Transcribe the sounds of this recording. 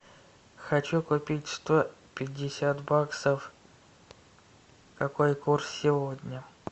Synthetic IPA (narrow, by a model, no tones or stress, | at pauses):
xɐt͡ɕukʊpʲitʲst̪opʲɪdʲːɪsʲat̪baksəf | kɐkojkursːʲɪvodʲnʲə